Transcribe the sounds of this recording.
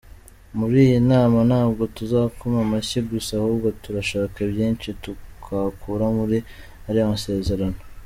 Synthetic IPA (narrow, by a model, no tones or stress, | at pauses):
muɾiːjinaːmanaːbɡo̞tuzaːkomamaçiɡusahuːbɡotuɾaʃaːkebjiːnʃitukʰakʰuːɾamuɾi | aɾiamase̞ːze̞ɾano